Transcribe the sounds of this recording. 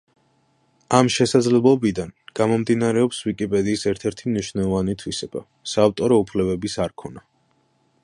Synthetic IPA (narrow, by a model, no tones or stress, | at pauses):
amʃɛsad̪zlɛblˠɔbid̪anɡ̥amɔmd̪inaɾɛɔpswikʼipʼɛd̪iːsɛɾt̪ʰɛɾt̪ʰimniʃwnɛlˠɔvanit̪ʰwisɛb̥a̰ | saːft̪ʼɔɾɔupʰlɛbɛbisaɾkʰɔna